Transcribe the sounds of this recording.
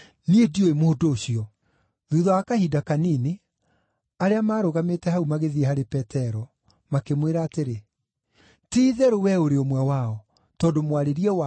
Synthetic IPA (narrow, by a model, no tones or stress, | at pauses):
niedioemoodoːɕiɔ | ðuðɔakahidakaniːne | aɾeamaːɾoɣametɛhaumaɣeðiɛhaɾepɛtɛɾɔ | makemweɾaːteɾe | tiːðɛɾowɛoɾeomwɛwaɔ | tɔːdomwaɾeɾiɛw